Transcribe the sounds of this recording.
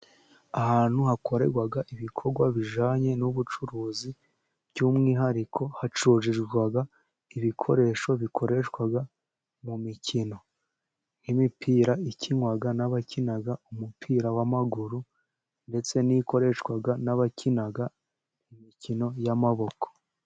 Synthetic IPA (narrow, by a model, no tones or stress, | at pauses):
ahaːn̥huhako̞ɾe̞̰ɾɡwaɡaʔiβikʰo̞ɾɡwaβiʒaːɲe̞nuβut͡ʃuɾuːzi | b̥ɟuːmŋiːɦaɾikʰo̞hat͡ʃuːʒiʒɡwaɡa | iβikʰo̞ɾe̞ʃo̞βikʰo̞ɾe̞ʃwaɡa | mumicino̞ | imipʰiːɾaiciŋwaɡanaβacinaɡaumupʰiːɾawamaɡuɾu | nde̞t͡se̞niko̞ɾe̞ʃkwaɡanaβacʰinaɡa | imicino̞jamaβo̞ko̥